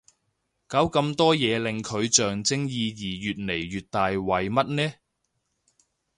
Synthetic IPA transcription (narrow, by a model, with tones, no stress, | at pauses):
kaː˨˥wkɐ˧mt̪ɔː˥jɛː˨˧lɪ˨ŋkʰɵ˨˧ɥt͡ʃœː˨ŋt͡sɪ˥ŋjiː˧jiː˨˩jyː˨t̚ne˨˩jɥyː˨t̚t̪aː˨jwɐ˨jmɐ˥t̚nɛː˥